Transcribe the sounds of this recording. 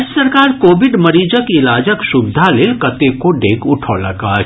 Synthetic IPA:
d͡ʒəsəɾkaːɾkoːbɪɖmɐɾiːd͡ʒəkɪlaːd͡ʒəkʃʊbd̪ʱalelkɐt̪ekoɖeːkʊʈʰoːlɐ̰ɡa̰ː

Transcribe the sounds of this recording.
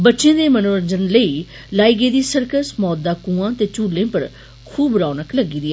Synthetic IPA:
bətːʃjẽːd̪eːmənoːɾənd͡ʒənləiː | laːiːɡeːd̪iːsəɾkəsmɔːd̪ːaːkũːãːt̪eːt͡ʃuːlːẽːpəɾ | kʰuːbɾaːnəkləɡiːd̪iɛ

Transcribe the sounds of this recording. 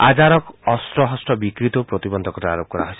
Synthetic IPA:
a̰d͡ʒaɾɔkɔst̪ɾɔɦɔsʈɔbikɾit̪ɔpɾot̪ibɔnd̪ʱɔkɔɾɔaɾop̚kɔɾa̰ɦɔsi̥

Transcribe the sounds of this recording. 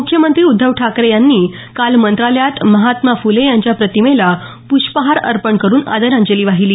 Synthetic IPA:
mukʰjəmənt̪ɾiːud̪ʱːəʋʈʰakɾejanːiː | kalmənt̪ɾaləjat̪məɦat̪mafulejaɲt͡ɕjapɾət̪imela | puɕpəɦaɾə̰ɾpəɳkəɾuːna̰d̪əɾãɲd͡ʑeliːʋaɦiliː

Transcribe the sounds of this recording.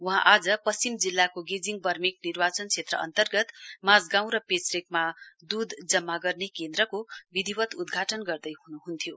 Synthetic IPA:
uɦãʔad͡zʌpʌst͡simd͡zilːakoɡed͡ziŋɡbʌrmik̚nirbat͡sʌnt͡sʰet̪rʌ̰ʔʌ̰nt̪ʌrɡʌt̪mad͡zɡãw̃ɾʌpesrekmad̪ud̪ʱd͡zʌmːaɡʌrnekend̪ɾʌkobid̪ʱibʌt̪ud̪ɡʱaʈʌnɡʌrd̪ʌjɦunuɦunt̪ʰjo

